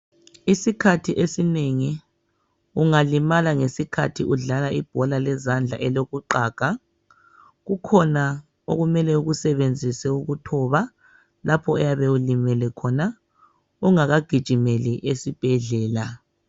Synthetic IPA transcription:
isikʰatʰiʔesineŋi | uŋalimalaŋesikʰatʰiʔuɮalaib̥ʱɔlalɛzand͡ɮʱa̰ʔɛloɣuǃaːɡ̥ʱa | ɣukʰɔna | oɣumɛlɛuɣusɛβend͡zʱisɛuɣutʰɔβa | lapʰɔɛjaβeulimɛlɛkʰɔna | uŋaɣaɡ̥ʱid̥ʒ̥ʱimeliʔesib̥ʱɛɮɛːla

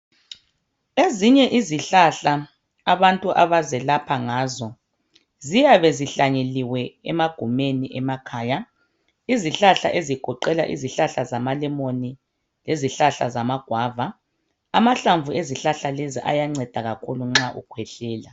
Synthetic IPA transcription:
eziɲɛʔiziɬaɬa | aβantʼuʔaβazɛlapʰaŋaːzɔ | zijaβɛziɬaɲeliwɛɛmaɡ̥ʱumeniʔɛmakʰaːja | iziɬaɬa̰ʔeziɡ̥ʱɔǃɛla̰ʔḭziɬaɬazamalɛmoni | leziɬaɬa̰zamaɡ̥ʱwaːva | amaɬaɱvueziɬaɬaleziʔa̰jaŋ͡ǀɛd̥ʱaɣakʰuluŋ͡ǁaʔṵkʰwɛɬɛːla

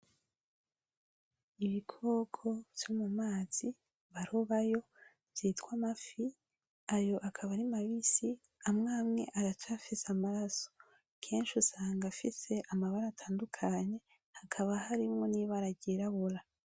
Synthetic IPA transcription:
iβikʰoɡʰo̞v̥jomumaːz̥i | βaɾoβajo̞ | z̥itkwamafi | ajo̞ʔakʰaβaɾimaβisi | amŋaːmŋe̞̰ʔaɾat͡ʃafisamaɾaso̥ | kʰe̞ːnʃusaːŋɡafise̞ʔamaβaɾaːtʰaːndukʰaɲe̞ | hakʰaβahaɾimŋo̞niβaɾaɟiɾaβuɾa

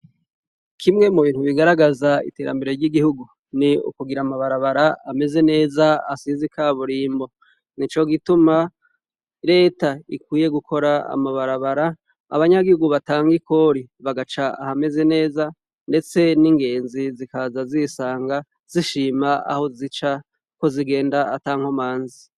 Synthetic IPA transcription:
kʰimŋe̞muβiːn̥huβiɡaɾaɡazaḭte̞ːɾa̰mbe̞ɾeɾɟiɡihuɡu | niṵkuɡiɾaːmaβaɾaβaɾaame̞ze̞ne̞ːzaasizikʰaβuɾiːmbo̞ | nit͡ʃo̞ɡituma | ɾe̞ːtaikwiːje̞ɡukʰo̞ɾaa̰maβaɾaβaɾa̰ː | βaɲaɡihuɡuβataːŋɡiko̞ɾiβaɡat͡ʃaa̰hame̞ze̞ne̞ːza | nde̞t͡se̞niŋɡe̞ːnzizikazazisaːŋɡa | z̥iʃiːmaa̰ho̞zit͡ʃa | ko̞ziɡe̞ːndaataːŋ̥homaːnzi

